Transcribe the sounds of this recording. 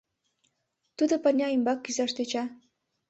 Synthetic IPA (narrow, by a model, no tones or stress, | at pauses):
t̪ud̪ŏpə̆rnʲɑimbɑkːyzɑʃt̪et͡ɕɑ